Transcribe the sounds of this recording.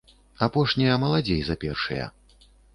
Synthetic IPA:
apɔʂnʲijɐmɐlˠad͡zʲejzɐpʲɛrʂɨjɐ̰

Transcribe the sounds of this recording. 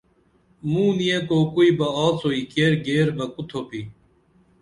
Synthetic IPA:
mũːnijẽkoːkuibɐaːt͡soːiːkeːɾɡeːɾbɐkut̪ʰoːpiː

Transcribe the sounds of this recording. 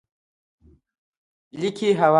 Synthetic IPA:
likʰiɦawa

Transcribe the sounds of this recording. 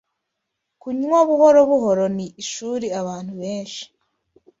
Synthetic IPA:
kuɲoβuhoɾoβuɦoɾo̞niːʃuːɾiaβaːn̥huβeːnʃi̥

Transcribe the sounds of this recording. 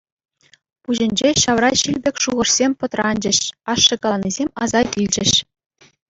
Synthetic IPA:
puʑɘ̆nʲd͡ʑeɕɑʋrɑɕilʲbʲekʲʂuʁɤ̆ʂsʲemʲpɤ̆t̪rɑnʲd͡ʑɘ̆ɕɑʂːɤ̆kɑnizʲemʲɑzɑjt̪ʲilʲd͡ʑɘ̆ɕ

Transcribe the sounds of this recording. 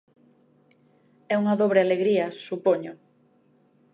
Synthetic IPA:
ɛuŋaðoβ̞ɾealeɣɾiɐsupoɲʊ

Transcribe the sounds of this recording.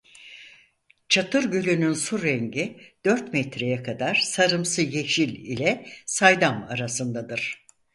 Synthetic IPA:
t͡ʃʰat̪ʰɯɾɟølʲynynsuɾɛɲɟid̪̥øɾt̪mɛt̪ʰɾejɛkʰad̪aɾsaɾɯmsɯjeʃilʲilʲɛsajd̪amaɾasɯnd̪ad̪ɯɾ̥

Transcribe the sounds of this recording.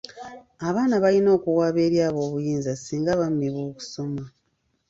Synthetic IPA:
aβaːnaβalino̞ːkuwaːβe̞ːɾjaːβo̞ːβujiːnzasiːŋɡaβamːiβwo̞ːku̥so̞ma

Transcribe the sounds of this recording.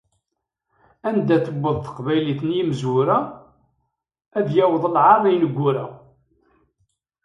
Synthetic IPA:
ænd̪æθəbːəðˤθə̥qvæjliθənjiməzwʊɾæ | æðjæwəðˤəlʕɑɾˤæjnəɡʷːʊɾæ̰

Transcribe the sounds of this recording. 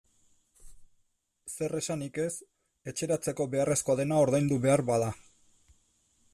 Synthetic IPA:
se̞re̞sanike̞s | e̞t͡ʃe̞ɾat͡se̞ko̞βe̞are̞sko̞aðe̞nao̞ɾðajnd̪uβe̞aɾβaða

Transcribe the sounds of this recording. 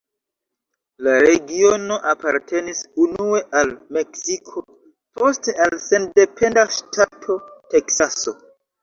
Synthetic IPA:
laɾe̞ɡio̞no̞ʔapaɾtʰe̞nisunue̞ʔalme̞ksikʰo̞ | po̞ste̞alse̞nde̞pe̞ndaʃtʰatʰo̞te̞ksaso̞̰

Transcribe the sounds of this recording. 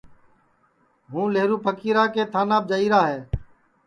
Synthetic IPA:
ɦũːleːɾuːpəkiːɾaːkeːt̪ʰaːnaːb̚d͡ʒaːiːɾaːɦeː

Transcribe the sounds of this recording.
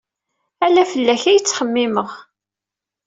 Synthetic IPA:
ælæfəlːæçæjət͡sːχəmːɪməʁ

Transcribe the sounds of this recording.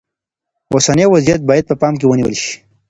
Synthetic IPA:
osanewazijat̪̚bɑjad̪̚pəpɑmk̬ewəniwə̰lʃi̥

